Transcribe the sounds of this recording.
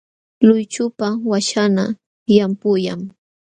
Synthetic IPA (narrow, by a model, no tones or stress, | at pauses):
lʊjt͡ʃʊpawaʃana | jampʊjaŋ